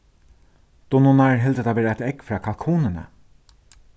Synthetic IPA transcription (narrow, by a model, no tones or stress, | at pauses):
d̪̥ɔnɔnaɹɦɛlt̪əd̪ʰaːʋeːɾaaɪt̪ɛkfɹɑːkʰalkʰuːnənə̰